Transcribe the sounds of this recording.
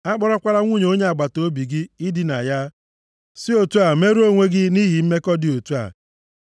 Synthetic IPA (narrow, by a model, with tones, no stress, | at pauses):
a˦k͡pɔ˦ɾɔ˦kʷa˦ɾa˦ŋʷu˦˨ɲe˨o˦ɲe˦a˨ɡ͡ba˨to˦bi˨ɡɪ˦ɪ˦dɪ˦na˨ja˦ | sɪ˦o˨tu˦a˨me˦ɾu˦o˦ŋʷe˦ɡɪ˦ni˦ɦi˨m̩˦me˦kɔ˦dɪ˨o˨tu˦a̰˨